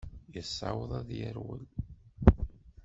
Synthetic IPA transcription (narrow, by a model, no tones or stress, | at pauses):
jəsˤːɑ̰wəðˤæðjəɾwə̰l